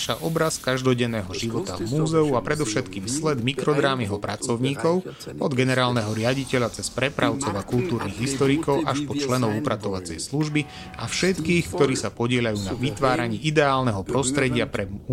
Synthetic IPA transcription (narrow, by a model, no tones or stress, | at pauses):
ʃaʔɔbɾaskaʒd̪ɔɟɛnːɛːɦɔʒiʋɔt̪a̰vmuːzɛuapɾɛd̪ɔʊʃɛt̪kiːmslɛd̪mikɾɔd̪ɾaːmiɦɔpɾat͡sɔʊɲiːkɔʊɔd̪ɡɛnɛɾaːlnɛɦɔɾɪaɟicɛʎat͡sɛspɾɛpɾʔaʊt͡sɔʊakult̪uːɾniɣɦist̪ɔɾikɔʊʔaʃpɔt͡ʃlɛnɔʊupɾat̪ɔʋat͡sɛ̰jsluʒbi | ʔafʃɛt̪kiːxkt̪ɔɾiːsapɔɟɪɛʎajuːnaʋit̪ʋaːɾaɲiːʔid̪ɛaːlnɛɦɔpɾɔst̪ɾɛɟɪapɾɛ